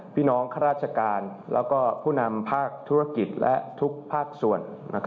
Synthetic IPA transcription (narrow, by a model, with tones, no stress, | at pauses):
pʰiː˥˩nɔː˦˥ŋkʰa˧ɾaː˥˩t̪̚t͡ɕʰa˧kaː˧nlɛ̰ː˦˥wkɔː˥˩pʰuː˥˩na˧mpʰaː˥˩k̚t̪ʰuː˦˥ɾa˥˩ki˨˩t̪̚lʔɛ̰˦˥t̪ʰu˦˥k̚pʰaː˥˩k̚su˨˩ənːa̰˦˥kʰ